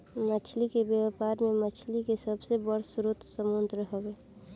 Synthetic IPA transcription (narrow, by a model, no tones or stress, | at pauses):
mət͡ʃʰlikebjəwpaːɾmẽmət͡ʃʰlikesəbsebəɽsʊɾut̪səmund̪ɾəɦoweː